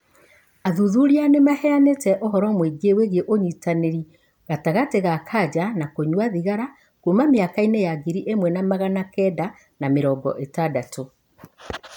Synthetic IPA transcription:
aðuðuɾianemahɛanetɛʔoɦɔɾɔmweɡeweɣeʔoɲitaneɾi | ɣataɣateɣakʰad͡ʑanakoɲwaðiɣaɾa | komameakainejaɡiɾiʔemwɛnamaɣanakɛda | nameɾɔɡɔ̰ʔetadato

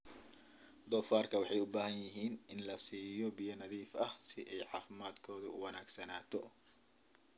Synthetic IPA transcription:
d̪ɔːfaːrkʰɐwɑħɑjʊbaːɦɐnjɪɦiːnɪnlɐsiːjɔbijɐnɐðiːfɐhsɪʔɛjʕɑːfɪmaːd̪kʰɔːðʊ̰ʊwɑnaːɡsɐnaːt̪ʰɔ

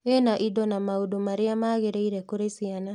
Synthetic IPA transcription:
enaʔidɔnamaodomaɾeamaɣeɾeiɾɛkoɾesiana

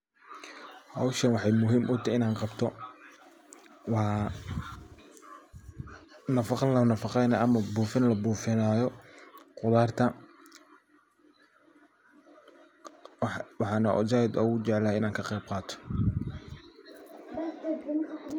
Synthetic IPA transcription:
hɐwʃɐnwɑħɑjmʊɦiːmʔʊt̪ʰɐɪnaːnqɑbt̪ʰɔ | wɑː | nɐfɑqɑlɐnɐfɑqɛjnɐɐmɐbuːfɪnlɐbuːfɪnaːjɔqʊðaːrt̪ʰɐ | wɑħɑːnɐʔɔ̰d͡ʒajd̪ɔːɣʊt͡ʃɛʕlɐhɛɪnaːŋkʰɐqɛjb̚qɑːt̪ʰɔ̥

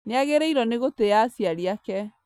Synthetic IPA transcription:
neaɣeɾɛiɾɔneɣotejasiaɾiakɛ

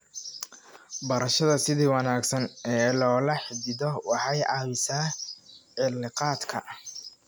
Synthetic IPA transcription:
bɐɾɐʃɐðɐsɪðiːwɑnaːɡsɐnɛːlɔːlɐħɪd̪ɪðɔwɑħɑjʔɑːβɪsaːʕɪlːɪqɑːd̪kʰɐ

